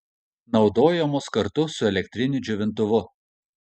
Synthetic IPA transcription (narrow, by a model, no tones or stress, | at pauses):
nɒʊd̪oːjɛmoːskɐɾt̪ʊsʊɛlʲɛkʲt̪ʲɾʲɪnʲʊd͡ʒʲʊʋʲɪnt̪̬ʊʋʊ